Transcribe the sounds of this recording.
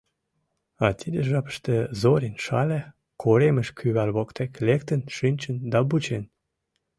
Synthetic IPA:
ɑt̪ʰid̪əʒɑpə̥ʃt̪əzoɾenʃɑ̰lʲe | kʰoɾeməʃkʰyβælβokt̪eklekt̪ənʃynʲt͡ɕənd̪ɑbut͡ɕen

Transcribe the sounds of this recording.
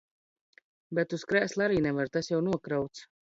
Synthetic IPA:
bɛt̪uskɾæːslˠaɾiːnɛvaɾt̪asjawnuɔkɾawt̪s

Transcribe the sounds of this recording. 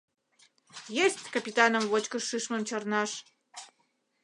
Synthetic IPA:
jesʲtʲkəpʲit̪ɑnəmvot͡ɕkəʂɨʂməmt͡ɕərnɑʃ

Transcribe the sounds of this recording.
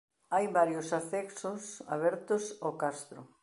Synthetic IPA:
ajβaɾjʊsafɛksʊsa̰βɛɾt̪ʊsokast̪ɾʊ̰

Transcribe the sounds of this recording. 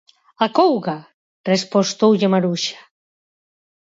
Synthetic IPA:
akowɣa | respost̪owʎemaɾuʃḁ

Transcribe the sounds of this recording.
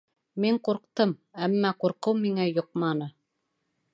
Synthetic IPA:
miɴquɾqt̪ɤmæmːæquɾqɤwmiŋæjŏq̚mɑnɤ

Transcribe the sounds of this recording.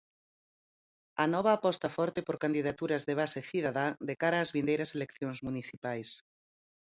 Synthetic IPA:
ɐnɔβ̞ɐːpɔst̪ɐfɔɾt̪ɪpoɾkand̪iðat̪uɾɐzðeβ̞aseθiðaðad̪ekaɾaːzβind̪ejɾɐselekθjoŋzmuniθipajs

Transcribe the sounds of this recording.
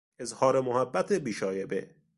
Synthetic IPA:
ezhɒːɾemohæbːæt̪ʰebiːʃɒːjebḛ

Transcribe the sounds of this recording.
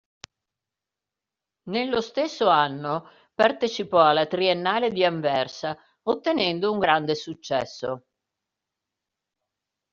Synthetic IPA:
nelːost̪esːoanːo | part̪et͡ʃipɔalːat̪ɾienːaːled̪iaɱvɛrsa | ot̪ːenɛnd̪ouŋɡɾand̪esut͡ʃːɛsːo

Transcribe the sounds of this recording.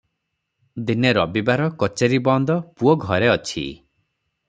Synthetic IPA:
d̪ineɾɔbibaɾɔkɔt͡ʃeɾibɔnd̪ɔpuɔɡʱɔɾeɔt͡ʃʰḭ

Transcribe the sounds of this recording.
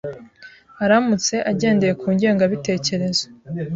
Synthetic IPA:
aɾamut͡se̞ʔaɟe̞ːnde̞je̞kʰuːɲɟe̞ːŋɡaβite̞ːce̞ɾe̞zo̥

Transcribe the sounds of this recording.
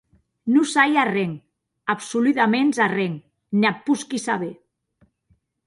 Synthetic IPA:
nusajareŋ | apsulut̪amenzareŋ | neapːuskisaβe

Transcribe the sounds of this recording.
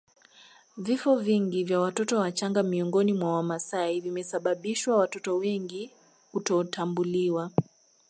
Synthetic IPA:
vifɔviŋɡivjawatɔtɔwat͡ʃaŋɡamiɔŋɡɔnimwawamasaivimɛsaɓaɓiʃwawatɔtɔwɛŋɡi | kutɔtʰambuliwa

